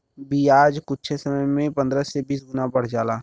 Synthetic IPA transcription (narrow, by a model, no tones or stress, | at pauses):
biːaːd͡ʒkʊtːt͡ʃʰesəməjmẽpə̃nd̪ɾəsebiːs̬ɡʊnabəɽ̤d͡ʒaːlaː